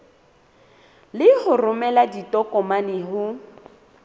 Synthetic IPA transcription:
lɪhʊrʊmɛladitʼɔkɔmanɪɦʊ

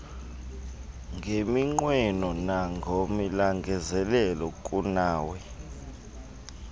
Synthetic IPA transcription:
ŋɡʱemiŋ͡ǃwɛnɔnaŋʱomilaŋɡʱɛzɛlɛlɔkʼunaːwɛ

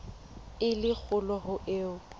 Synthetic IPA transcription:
ɪlɪk͡xʰʊlɔhʊʔeːʊ

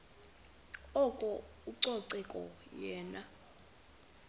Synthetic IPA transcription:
ɔkʼɔ | uǀɔǀɛkʼɔ̰jɛːna

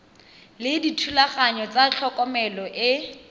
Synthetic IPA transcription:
lɪditʰulaχaɲɔt͡sat͡ɬʰɔkʼɔmɛlɔʔɪ

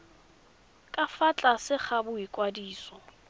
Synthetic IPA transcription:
kʼafat͡ɬʼasɪχʰabʊikʼwadiːsɔ

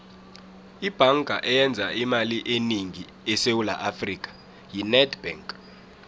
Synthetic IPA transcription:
ib̥ʱaŋɡʱa̰ʔɛjɛnd͡zʱaimaliʔeniŋi | ɛsewula̰ʔafriːk̬ʼḁ | jinɛdb̥ɛŋkʼ

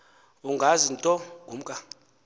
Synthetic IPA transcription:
uŋɡʱazintʼɔɡʱum̩kʼa

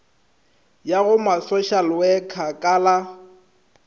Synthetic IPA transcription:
jaɣʊmasɔʃalwɛkʰakʼala

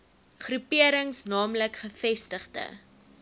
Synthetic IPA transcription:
χrupiəɾəŋsnɑːmləkχəfɛstəχdə̰

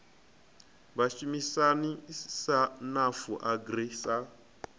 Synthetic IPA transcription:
βaʃumisanisanafuʔaɡrisa

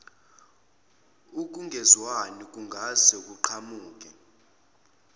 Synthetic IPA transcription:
uk̬ʼuŋɡʱɛzwanik̬ʼuŋɡʱazɛk̬ʼuǃʰamuːk̬ʼɛ

